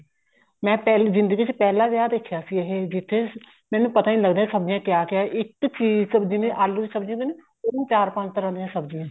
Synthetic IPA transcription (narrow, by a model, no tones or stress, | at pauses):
mɛ̃ːpɛːlzɪ̃nd̪əɡiːt͡ʃpɛːlaːʋjaːd̪eːkʰjaːsiːeɦeːd͡ʒɪt̪ʰːeː | mɛ̃ːnũːpət̪aːiːləɡd̪eːɛ̃səbd͡ʒɪjãːkjaːkɪaːʔɪkt͡ʃiːzsəbd͡ʒinẽːʔalud͡ʒisəbd͡ʒĩɡ̪ene | ʊñːt͡ʃaːɾpə̃nt͡ʃt̪əɾãːnd̪eːɦãːsəbd͡ʒiãː